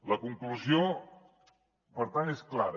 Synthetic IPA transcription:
ləkuŋkluzio | pəɾt̪anesklaɾ

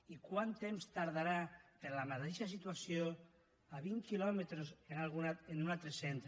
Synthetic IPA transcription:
ikwant̪emst̪aɾðaɾapeɾlamat̪eʃasit̪uasjo | aβiŋkilɔmet̪ɾosenalɣunaenunalt̪ɾesent̪ɾ

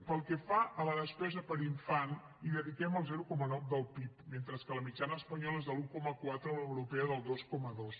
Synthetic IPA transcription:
pəlˠkɛfaələðəspɛzəpəɾiɱfan | iðəðikɛməlˠzɛɾukɔmənɔwd̪əlˠpipment̪ɾəskələmid͡ʒanəːspəɲɔləezðəlukɔməkwat̪ɾələwɾupɛəðəlˠd̪ɔskɔməðos

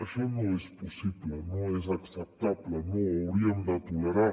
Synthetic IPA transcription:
əʃɔnoespusiblənoezɐksəp̚t̪ablənoəwɾiəmd̪ət̪uləɾa

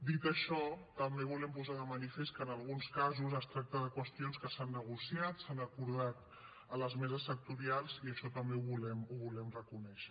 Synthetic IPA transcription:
d̪it̪əʃɔt̪əmbeβulɛmpuzaðəmənifeskəːnəlˠɣunskazuzəst̪ɾak̚t̪əðəkwəst̪ionskəsanːəɣ̞usjat̪sanəkuɾð̞at̪ | ələzmɛzəsːək̚t̪uɾialˠziəʃɔt̪əmbeuβulɛmuβulɛmrəkunɛʃə̥

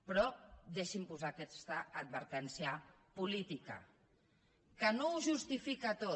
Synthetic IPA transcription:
pɾɔd̪eʃimpuzakɛst̪aːd̪̚βəɾt̪ɛnsia | pulit̪ika̰ | kənouʒust̪ifikat̪o

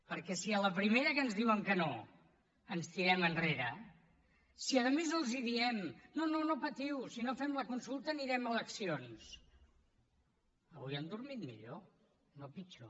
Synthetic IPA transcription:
pəɾkɛsiələpɾimeɾəkənzðiwəŋkəno | ənst̪iɾɛmənreɾə | siəðəmezəlˠziðiɛmnononopət̪iwsinofɛmləkunsulˠt̪əːniɾɛmələksions | əβujand̪uɾmit̪mḭʎo | nopit͡ʃo

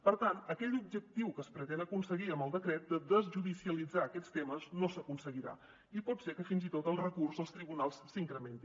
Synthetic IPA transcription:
pəɾt̪anəkɛʎub̚ʒək̚t̪iwkəːspɾət̪ɛnəkunsəɣiəmbəlˠd̪əkɾɛt̪̚d̪əd̪əzʒuðisiəlid͡zaːkɛt͡st̪eməznosəkunsəɣiɾa̰ | ipɔt̪sekəfinzit̪ot̪əlˠrəkurzəlˠst̪ɾiβunalˠssiŋkɾəment̪i

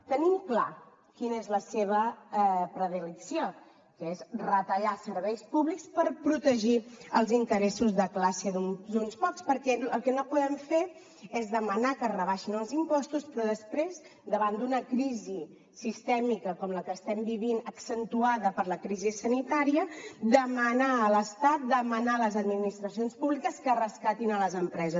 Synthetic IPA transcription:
t̪ənimkla̰ | kinəezləseβəpɾəðiləksio | kəezrət̪əʎasəɾβɛjspuβlikspəɾpɾut̪əʒiəlˠzint̪əɾɛsuzðəklasəðud̪unspɔkspəɾkɛəlˠkɛnopuðɛmfeɾ | ɛzðəmənakərəβaʃinəlˠzimpɔst̪uspɾɔðəspɾez | d̪əβand̪unəkɾizi | sist̪ɛmikəkɔmləkəːst̪ɛmbiβinəksənt̪uaðəpəɾləkɾizisənit̪aɾiəd̪əmənaələst̪at̪̚d̪əmənaləzəd̪minist̪ɾəsionspuβlikəskərəskat̪inələzəmpɾɛzə

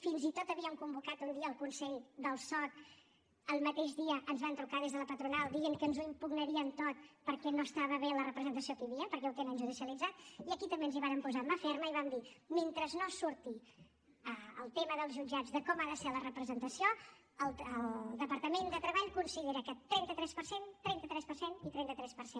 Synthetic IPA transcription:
finzit̪ot̪əβiəmkumbukat̪und̪iəːlˠkunsɛʎd̪əlˠsɔt̪ | əlˠmət̪eʒðiəʔənzβant̪ɾukaðezðələpət̪ɾunalˠd̪iəŋkənzuimpuɡnəɾiənt̪ot̪̚pəɾkɛnoəst̪aβəβelərəpɾəzənt̪əsiokəəβiəpəɾkɛwt̪enənʒuð̞isiəlid͡zat̪̚iəkit̪əmbeənziβaɾəmpuzaməfɛɾməiβamd̪iment̪ɾəznosuɾt̪i | əə̰lˠt̪eməðəlˠzʒud͡ʒad͡zðəkɔmaðəsɛlərəpɾəzənt̪əsio | əlˠəld̪əpəɾt̪əmend̪ət̪ɾəβaʎkunsiʎeɾəkɛt̪ːɾɛnt̪ət̪ɾɛspəɾsent̪ɾɛnt̪ət̪ɾɛspərsenit̪ɾɛnt̪ət̪ɾɛspəɾsen

